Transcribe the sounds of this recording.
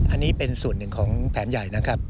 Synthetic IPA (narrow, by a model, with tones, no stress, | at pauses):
ʔa˧nːiː˦˥pe˧nsu˨˩ənːɯ˨˩ŋkʰɔː˩˦ŋpʰɛː˩˦nja˨˩jna˦˥kʰa˦˥p̚